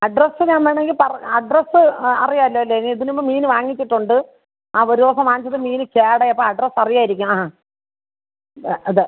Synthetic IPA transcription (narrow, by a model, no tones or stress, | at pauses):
ɐɖrɐsɨɲaːnmʋeːɳeŋɡilpɐrɐɐɖrɐsɨɐ̰rijaːɐlːoːɐlːeniðinimːoːmiːnɨʋaːŋːit͡ɕːiʈːuɳɖɨ | aːoɾuosɐmaːnit͡ɕːɐðɨmiːnɨkeːɽɐjɐpːoːɐɖrɐsɐrijaːjiɾikʲːumaːa | ɐðɨ